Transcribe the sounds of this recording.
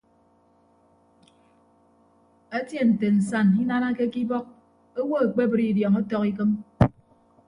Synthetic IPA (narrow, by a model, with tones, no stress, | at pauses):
a˦tje˦n̩˨te˨n̩˨sa˦˨ni˦na˦na˦ke˦ki˦bɔ˦k̚ | o˦wo˦a˨k͡pe˦bɨ˦ɾi˦˨djɔ˨ŋɔ˦tɔ˨ki˦k̬ɨ˦m